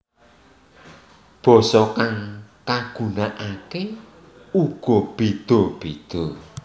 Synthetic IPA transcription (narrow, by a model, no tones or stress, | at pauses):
b̥ɔsɔkaŋkaɡ̥ṳnaʔake | uɡ̥ɔb̥id̪̥ɔb̥id̪̥ɔ